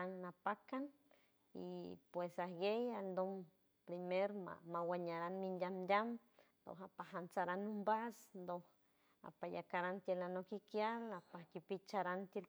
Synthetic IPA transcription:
anːapakan | ḭpwesahjejald̪om | pɾimeɾma̰mawaɲaɾanminjamjam | nd̪o̰hapaɦant͡saɾanumbasnd̪oh | a̰pajakaɾant̪jelanokikjalapakipit͡ʃaɾant̪el

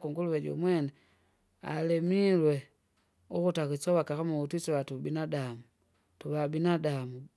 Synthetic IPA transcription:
kuŋɡuluwɛd͡ʒɔ̰mwɛna | a̰lɛmilwɛ | ukutakisɔwakakamuutisɔwatubinadamu | tuβabinadamu

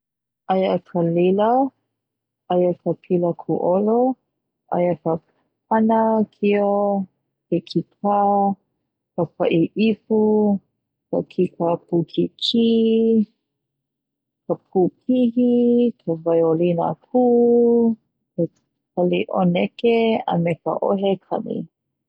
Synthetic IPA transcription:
ʔajəkʰalila | ajakʰəpʰiləkʰuʔolo | ʔa̰jəkə | p̚anəkʰio | kekʰik̚ʰa | kəpa̰ʔiʔifu | kə̰kʰikapukʰikʰi | kəp̚ʰuːpʰiɦikʰəvajolinə̰kʰuː | ke | kʰɐliʔonɛkeɐ̰mekə̰ʔoɦekʰɐ̰nḭ

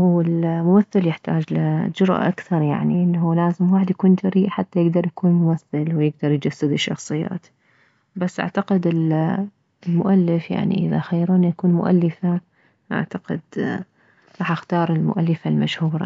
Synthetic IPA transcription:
huwɪlmʊmaθːɪljɪħt̪a̰ːd͡ʒlɪd͡ʒʊɾʔa̰ʔakθɑɾˤja̰ʕniʔɪnːɦulaːzɪmwaːħɪd̪jakuːnt̪ʰaɾiːʔħat̪ːajɪɡd̪ɑɾˤjakuːnmʊmaθːɪlwjɪɡ̚d̪ɑɾˤjd͡ʒasːɪd̪ɪʃːɑxsˤɨjːa̰ːt̪ | basːʔa̰ʕt̪aqɪd̪ɪl | lmʊʔalːɪfja̰ʕnḭʔɪða̰xajːɾuːnjakuːnmʊ̰ʔa̰lːɪfa | ʔa̰ʕt̪aqɪ̰d̪ | ɾˤɑːħʔaxt̪ɑːɾˤɪlmʊ̰ʔalːɪfalmaʃhuːɾˤɑ̰

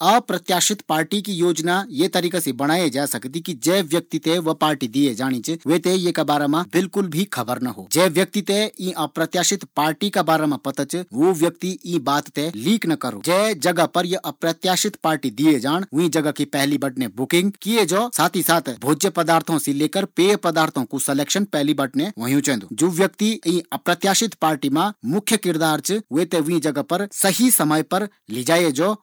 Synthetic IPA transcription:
ɐpɾɐt̪jaːʃɪt̪paːɾʈikijoːd͡ʒnajet̪ɐɾiːkasebɐɽ̃aːjed͡ʒaːsɐkt̪ikid͡ʒɛːʋjɐk̚t̪it̪eʋɐpaːɾʈid̪ijed͡ʒaːɽ̃ĩt͡ʃʋet̪ejekabaːɾamãbɪlkʊlbʱikʰɐbəɾnɐɦo̰ːd͡ʒɛːʋjɐk̚t̪it̪eĩʔɐpɾɐt̪jaːʃɪt̪paːɾʈikabaːɾamãpɐt̪ət͡ʃʋoːʋjɐk̚t̪iĩːbaːt̪ːeliːknɐkɐɾo̰ːd͡ʒɛːd͡ʒɐɡəpɐɾjeʔɐpɾɐt̪jaːʃɪt̪paːɾʈid̪ied͡ʒaːɽ̃ʋʊ̃ĩd͡ʒɐɡəkipɛɦlibɐʈnebʊkɪ̃ŋɡ̚kijed͡ʒoːsaːt̪ʰisaːt̪ʰbʱoːd͡ʒjəpɐd̪aːɾt̪ʰõsileːkəɾpeːjpɐd̪aːɾt̪ʰõkusɛleːkʃənpɛɦlibɐʈneʋõːɦjũt͡ʃɛ̃nd̪ud͡ʒoːʋjək̚t̪iĩːɐpɾɐt̪jaːʃɪt̪paːɾʈimãmʊkʰːjəkɪɾd̪aːɾt͡ʃʋet̪eʋĩd͡ʒɐɡəpɐɾsɐɦisɐməjpɐɾ | lid͡ʒaːjed͡ʒoː

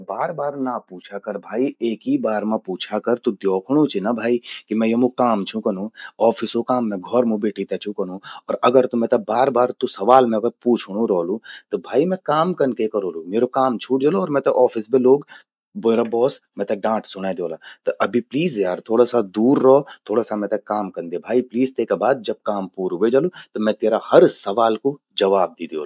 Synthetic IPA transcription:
baːɾbaːɾnapuːt͡ʃʰakɐɾbʱaːieːkibaːɾmãpuːt͡ʃʰakɐɾt̪ud̪jɔːkʰɽ̃ũt͡ʃʰinabʱaːikimɛ̃jomũkaːmt͡ʃʰũkɐnũɔːfʰɪsokaːmːɛ̃ɡʱɔɾmũbeːʈʰit̪ɐt͡ʃʰũkɐñ̤ũɔːɾɐɡəɾt̪umɛ̃t̪ɐbaːɾbaːɾt̪usɐʋaːlmɛ̃kəpuːt͡ʃʰɽ̃ũɾɔːlũt̪obʱaːimɛ̃kaːmkɐnkekɐɾoːlomeːɾokaːmt͡ʃʰuːʈ̚d͡ʒaloɔːɾmɛ̃t̪eʔɔːfɪsbeloːɡ | boːɾabɔːsmɛ̃t̪eɖãːʈsʊnad̪oːlat̪oʔɐbʱipliːzjaːɾt̪ʰoːɽasad̪uːɾːɐɦot̪ʰoːɽasamɛ̃ːt̪ekaːmkɐɾnd̪ebʱaːipliːzt̪eːkebaːd̪̚d͡ʒɐb̚kaːmpuːɾubed͡ʒalut̪omɛ̃t̪eːɾahɐɾsɐʋaːlko | d͡ʒɐʋaːb̚d̪iːd̪io̰ːl

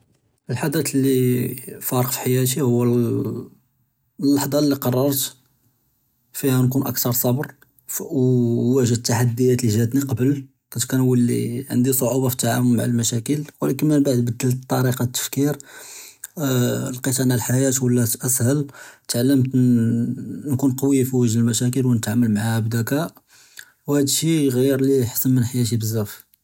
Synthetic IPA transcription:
əlħad̪æt̪lːifɑɾˤəqfi̥ħajæt̪̬ihʊwːæ | lːɑħd̪ˤɑlːiqɑrˤːɑɾˤt̪ | fihænkunʔə̰kt̪ɑɾˤsˤɑbɾ | wːæʒəd̪̚t̪ːaħad̪ːəjæt̪liʒæd̪niqɑbəl | q̪ˤɑt̪kænwəlːḭʕə̰nd̪isˤoʕubɑfət̪ːʕa̰wʊmmaʕalmæʃækəlwælækəmənbaʕd̪bəd̪ːəlt̪ˤːɑɾiqɑt̪ːə̥fkiɾ | lqit̪ʕnælħajæt̪wəlːæʔæshəlt̪ʕalːəmt̪ | nkunqɑwijafiwəʒləlmæʃæk̬əlwnət̪ʕamːəlmaʕahæbd̪ækæ | whæd̪ʃiɣiɾliħə̥sːəmmənħjæʃ̬ibəzːæf

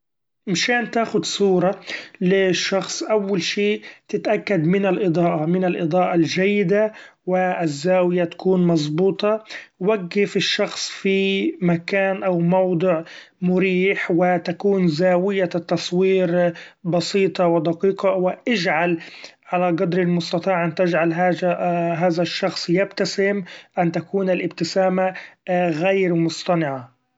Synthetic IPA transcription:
mɪʃaːnt̪aːxʊd̪sˤuːɾˤɑlɪʃːɑxsˤʔawːalʃeːʔt̪ɪt̪ʔakːad̪mɪnɪlʔɨd̪ˤɑːʔɑmɪnɪlʔɨd̪ˤɑːʔɑld͡ʒajːɪd̪awɪɪzːaːwɪjat̪ḁkuːnmɑzˤbuːt̪ˤɑwaɡːɪfɪʃːɑxsˤfimakaːnʔawmɑwd̪ˤɨʕ | mʊɾiːħwɪt̪akuːnzaːwɪjat̪ːɑsˤwiːɾbɑsiːt̪ˤɑwɪd̪ɑqiːqɑwɪʔɪd͡ʒʕalʕalaɡɑd̪ɾɪlmʊst̪ɑt̪ˤiːʕʔant̪ɪd͡ʒʕalɦaːɦaːðaʃːɑxsˤjab̚t̪asɪmʔant̪akuːnɪlʔɪbt̪ɪsaːmaɣajɾmʊst̪ˤɑnɪʕa

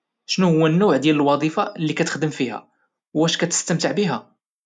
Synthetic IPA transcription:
ʃnuhʊwːænːuwʕd̪jæləlwɑd̪ˤifalːikæt̪ə̥xd̪əmfihæ̰ | wæʃkæt̪ə̥st̪əmt̪əʕbiɦæ

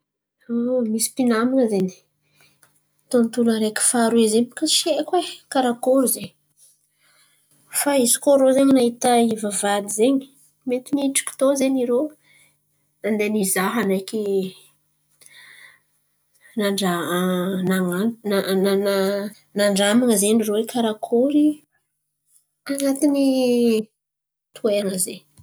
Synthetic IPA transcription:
omisi̥pinaminəzeni̥ | t̪ont̪uləɾeki̥faɾuizepḁkaʃekwekaɾakoɾzeɲ | faizi̥koɾozeɲnaɦit̪əivavad̪izeɲi̥ | met̪iniiʈ͡ʂi̥kʲi̥t̪ozeɲiɾo | nand̪enizaɦanajkʲi | naɖ͡ʐa | naŋaana | naɳɖ͡ʐamaŋəzenirowekʰaɾakʰoɾi | anat̪ini | t̪ʰueŋəze

